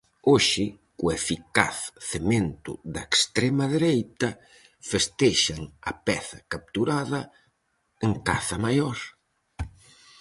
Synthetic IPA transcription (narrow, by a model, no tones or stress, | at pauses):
oʃɪ | kʊefika̰θθement̪ʊ̰ðɐekst̪ɾɛmɐðeɾejt̪ɐ | fest̪ɛʃɐŋɐpɛθɐkap̚t̪uɾaðɐ | eŋkaθɐmajoɾ